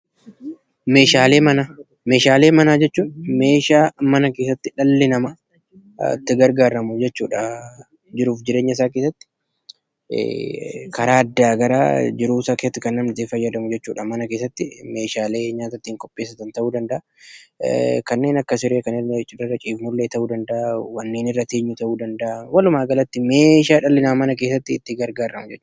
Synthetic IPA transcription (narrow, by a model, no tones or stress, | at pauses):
me̞ːʃaːle̞ːmɐnaː | me̞ːʃaːle̞ːmɐnaːd͡ʒɛt͡ʃːuːnme̞ːʃaːmɐnɐke̞ːsːɐt̪ːɪᶑɐlːɪnɐmɐ̰ | t̪ːɪɡɐɾɡaːɾɐmʊd͡ʒɛt͡ʃːuːᶑɐ | d͡ʒɪɾuːfd͡ʒɪɾe̞ːɲːɐɪsaːk̬esːɐt̪ːɪ̥̰ | kɐɾaːɐd̪ːaːɡɐɾa̰ːd͡ʒɪɾuːɪsaːkest̪ːɪkɐnːɐmɪt̪eːfɐjːɐd̪ɐmʊd͡ʒɛt͡ʃːuːᶑɐmɐnɐkeːsːɐt̪ːɪme̞ːʃaːle̞ːɲaːt̪ɐt̪ːiːŋkʼɔpʼːeːs̬ɐt̪ɐnt̪ɐʔuːd̪ɐnd̪ɐʔa | kɐnːe̞ːnɐkːɐsɪɾeːkɐnɪnt͡ʃʼːɪdɪrːɐt͡ʃʼiːfmʊlːeːt̪ɐʔuːd̪ɐnd̪ɐʔawɐnːeːnɪrːɐt̪eːɲːʊt̪ɐʔuːd̪ɐnd̪ɐʔawɐlʊmaːɡɐlɐt̪ːɪme̞ːʃaːᶑɐlːɪnaːmɐnɐk̬e̞ːsːɐt̪ːɪt̪ːɪɡɐɾɡaːɾːɐmʊd͡ʒɛt͡ʃːuː